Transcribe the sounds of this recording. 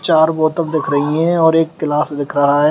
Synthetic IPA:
t͡ʃaːɾbɔːt̪əb̚d̪ɪkʰɾɐɦiɦɛ̃ɔːɾeːkːɪlaːsd̪ɪkʰɾɐɦaɦɛː

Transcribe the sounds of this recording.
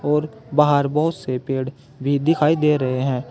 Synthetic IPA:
ɔːɾbaːɦəɾbɔːʊt̪sepeːɽ | bʱiːd̪ɪkʰaːid̪eːɾəɦeɦɛ̃ː

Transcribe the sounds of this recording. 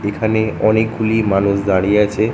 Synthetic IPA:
ekʰaneɔnek̚ɡulimanusd̪aɽiat͡ɕʰe

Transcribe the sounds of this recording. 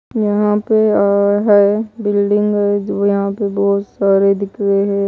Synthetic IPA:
jɐɦãpeaːɦɛbɪlɖɪ̃ŋɡɦɛd͡ʒojɐɦãpebɔːt̪saːɾed̪ɪkɾeɦɛ

